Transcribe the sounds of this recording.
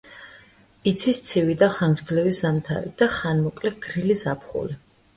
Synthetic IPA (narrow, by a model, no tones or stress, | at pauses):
it̪sʰist̪sʰivid̪aχaŋɡɾd̪zlɛvisamt̪ʰa̰ɾḭd̪̥aχanmɔkʼlɛɡ̥ɾilisapʰχṵli